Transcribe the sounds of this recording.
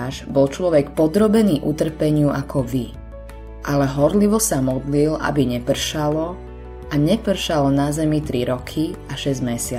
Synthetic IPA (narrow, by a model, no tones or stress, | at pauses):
ʒbɔlt͡ʃlɔʋɛkpɔd̪ɾɔbɛniːʔut̪r̩pɛɲɪuʔakʰɔʋi | ʔalɛɦɔɾliʋɔsamɔd̪lilʔa̰biɲɛpr̩ʃalɔ | aɲɛpr̩ʃalnazɛmit̪ɾiɾɔkʰiaʃɛzmɛsɪa